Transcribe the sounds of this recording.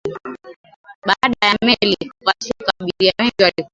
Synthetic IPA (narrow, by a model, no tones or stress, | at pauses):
ɓaɗajamɛlikwasikaɓiɾiawɛŋɡiwalik